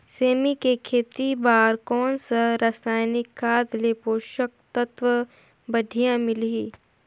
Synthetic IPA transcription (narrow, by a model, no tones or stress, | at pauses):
seːmikekʰeːt̪ibaːɾkɔːnsaɾasaːjnɪkʰːaːd̪leːpoːʃək̚t̪ət̪ʋə | bɐɖʱijãmɪliː